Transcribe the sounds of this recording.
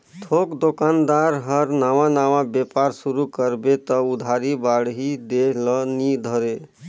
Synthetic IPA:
t̪ʰokd̪okand̪aɾɦəɾnaʋãnawãbepaɾsuɾukəɾbet̪ɔud̪ʱaɾibaɽɦid̪elənid̪ʱəɾe

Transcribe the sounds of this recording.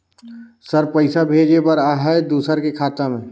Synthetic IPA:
səɾpəɪsabʱeːd͡ʒepəɾaːɦɛed̪uːsəɾkekʰaːt̪amẽ

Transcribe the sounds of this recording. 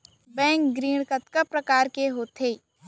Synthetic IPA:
bɛ̃ːŋk̚ɡɾiːɽ̃kət̪kəpːɾɐkaːɾkeɦoːt̪ʰeː

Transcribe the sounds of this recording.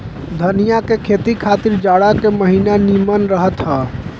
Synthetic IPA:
d̪ʱənijakekʰet̪ikʰat̪iɾd͡ʒaɽakeməɦinanimənɾəɦət̪ɦa

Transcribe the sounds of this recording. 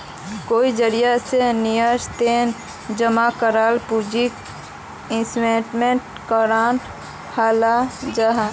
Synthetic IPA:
koːid͡ʒəɾijasenijəst̪en | d͡ʒəmakəɾaːlpud͡ʒik | ɪ̃smeʈmẽɳʈ | kəɾaːn | haːlad͡ʒaɦa

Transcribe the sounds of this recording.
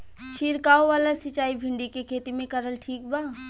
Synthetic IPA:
t͡ʃʰiɾkaːoʋaːlasɪt͡ʃaːibʱɪ̃ɳɖikekʰeːt̪imẽkəɾəlʈʰiːk̚baː

